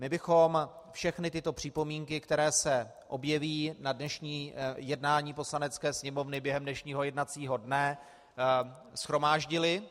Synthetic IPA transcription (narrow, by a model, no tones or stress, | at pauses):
mɪbɪxo̞m | fʃɛxnɪt̪ɪt̪o̞pr̝̥ɪpo̞miːŋkɪkt̪ɛɾɛːsɛ | ʔo̞bjɛviːnadnɛʃɲiːjɛdnaːɲiːpo̞slanɛt͡skɛːsɲɛmo̞vnɪbjɛɦɛmdnɛʃɲiːɦo̞jɛdnat͡siːɦo̞dnɛ | sxɾo̞maːʒɟɪlɪ